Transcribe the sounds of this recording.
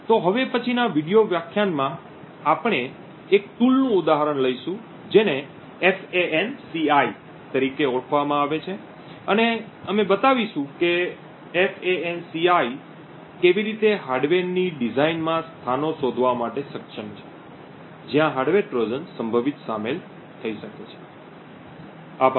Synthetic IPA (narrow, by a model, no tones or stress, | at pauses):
t̪oɦəʋepət͡ʃʰinaʋiɽijoʋjakʰːjanmã | apəɳ̃eː | kt̪ulnũʊd̪aɦəɾəɳləiʃũ | d͡ʒeneː | feʔensiai | t̪əɾikeɔkʰʋamãaʋet͡ʃʰe | əne | əmebət̪aʋiʃũke | efeensiai | keʋiɾit̪eɦaɾɖʋeniɖizainmãst̪ʰanoʃod̪ʱʋamaʈesəkʃənt͡ʃʰe̥ | d͡ʒjãɦaɖʋeʈɾod͡ʒənsəmbʱəʋit̪samel | t̪ʰəiʃəket͡ʃʰe̥ | ap